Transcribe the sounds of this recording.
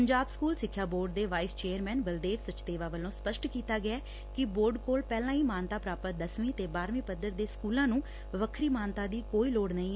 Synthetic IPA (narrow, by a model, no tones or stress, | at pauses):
pəɲd͡ʒaːbskuːlsɪkʰːjaːboːɾɖd̪eːʋaːɪst͡ʃeːəɾmɛ̃ːnbəld̪eːʋsət͡ʃt̪eːʋaːʋəlːõːspəʃʈkiːt̪aːɡɪɛː | kɪboːɾɖkoːlpɛːlãːiːmaːnt̪aːpɾaːpət̪̚d̪əsmĩːt̪eːbaːɾmĩːpəd̪əɾd̪eːskuːlãːnũː | ʋəkʰɾiːmaːnt̪ãːd̪iːkoːiːloːɽnəĩː